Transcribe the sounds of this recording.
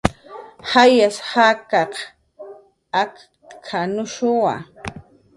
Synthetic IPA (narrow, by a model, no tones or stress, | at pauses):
hajashakɑq | ak | kʰanʊʃʊwa̰